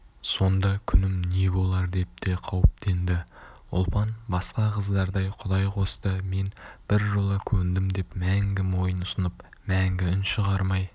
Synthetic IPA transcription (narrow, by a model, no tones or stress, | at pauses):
so̞nd̪ɑkʲʰʏnɪmne̞bo̞lˠɑɾd̪e̞p̚t̪e̞qʰɑwəp̚t̪ʰe̞nd̪ɪ | ʊ̰lˠpɑnbɑsqɑqʰəzd̪ɑɾd̪ɑjqʰʊd̪ɑjqʰo̞st̪əme̞nb̥ɪɾʒolˠəkʲʰɵɾɪnd̪ɪmd̪e̞pmæŋɡʲɪmo̞jənʊsənəp | mæŋɡʲɪɪnʃəʁɑɾmɑj